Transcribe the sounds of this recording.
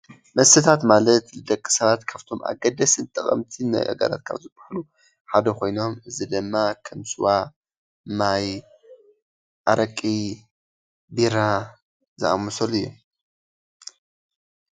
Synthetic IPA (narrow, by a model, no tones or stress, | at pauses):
mɐsɨt̪ʰat̪malɐt̪lɨd̪ɐkʼːi̥sɐβat̪kʰaβt̪ʰo̞mʔa̰ɡɐd̪ɐsɨnt̪ʼɨχʼɐ̰mt̪ʰimɐ̰ʔʼɐ̰ɡɐ̰la̰t̪̚kʰa̰βzɨbaħlu | ħad̪ɐkʰo̞jno̞mɨzid̪ɨmːakʰɐmsɨwa | naj | ʔaɾɐkʼi | biɾa | zɨa̰mosɐlɨjːu